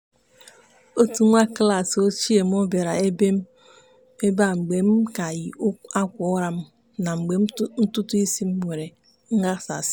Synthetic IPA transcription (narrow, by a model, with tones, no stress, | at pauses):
o˦tu˦ŋʷa˦kla˨so˦t͡ʃi˦e˨m̩˦o˦be˨ɾa˨e˦be˦m̩˦ | e˦ba˦˨ŋ͡m̩˨ɡ͡be˨m̩˦ka˨ji˨˦a˦kʷʊ˨ɔ˦ɾa˦˨m̩˦ | na˨ŋ͡m̩˨ɡ͡be˨m˦n̩˦tʊ˦tʊ˦i˦si˦m̩˦wʷe˨ɾe˨ | ŋ̩˦ɡa˦sa̰˨s